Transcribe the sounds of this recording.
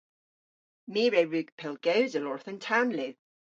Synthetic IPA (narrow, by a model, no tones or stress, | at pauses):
miːɹɛɹʉːɡ̥pʰɪlˠɡ̥ɛwzəlɔɹθəntʰanli